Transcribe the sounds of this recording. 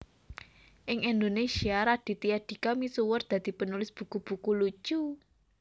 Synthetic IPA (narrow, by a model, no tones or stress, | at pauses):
ʔɪŋɛnd̪onesiaɾaɖ̥i̤t̪ijad̥i̤kamisuwərd̪̥a̤d̪̥i̤pənulɪsb̥ṳkub̥ṳkulut͡ʃu